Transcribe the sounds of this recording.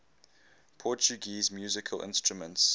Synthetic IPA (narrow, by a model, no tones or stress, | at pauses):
pʰɔt͡ʃuɡiːzmjuːzɪkʰəlʔɪ̰̃nstɹumə̃nts